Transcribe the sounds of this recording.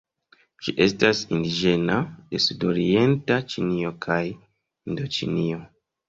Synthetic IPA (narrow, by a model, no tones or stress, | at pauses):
d͡ʒiʔe̞stasindid͡ʒe̞nade̞sudo̞ɾie̞ntat͡ʃinio̞kʰaj | indo̞t͡ʃḭnio̞